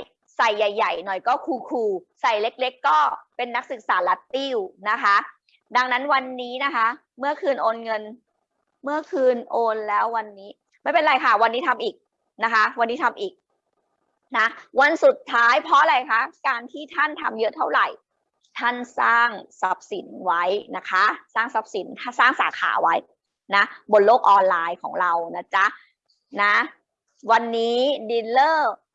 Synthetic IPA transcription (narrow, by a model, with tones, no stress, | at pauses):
sa˨˩jːa˨˩jːa˨˩jnɔ˨˩jkɔː˥˩kʰuː˧kʰuː˧ | sa˨˩jle˦˥k̚le˦˥kːɔː˥˩pe˧nːa˦˥k̚sɯ˨˩k̚saː˩˦la˦˥t̪i˥˩wna˦˥kʰa˦˥ | da˧ŋna˦˥nwa˧nːiː˦˥na˦˥kʰa˦˥ | mɯ˥˩ɐkʰɯː˧nʔoː˧nŋɤ˧n | mɯ˥˩ɐkʰɯː˧nʔoː˧nlɛː˦˥wːa˧nːiː˦˥ | ma˥˩jpe˧nɾa˧jkʰa˥˩wa˧nːiː˦˥t̪ʰa˧mʔiː˨˩k̚ | na˦˥kʰa˦˥wa˧nːiː˦˥t̪ʰa˧mʔiː˨˩k̚ | na˦˥ʔwa˧nsu˨˩t̪ʰːaː˦˥jpʰɔ˦˥a˧la˧˩jkʰa˦˥kaː˧nt̪ʰiː˥˩t̪ʰa˥˩nt̪ʰa̰˧mjɤ˦˥ʔt̪ʰa˥˩wɾa˨˩j | t̪ʰa˥˩nsaː˥˩ŋsa˦˥p̚si˨˩˦nwa˦˥jna˦˥kʰa˦˥saː˥˩ŋsa˦˥p̚si˩˦nt̪ʰa˥saː˥˩ŋsa̰ː˩˦kʰa̰ː˩˦wa˦˥j | na˦˥bo˧˩nloː˥˩k̚ʔɔː˧nlaː˧jkʰɔː˩˦ŋɾa˧wna˦˥t͡ɕa˦˥ | na˦˥ | wa˧nːiː˦˥di˧nlɤː˥˩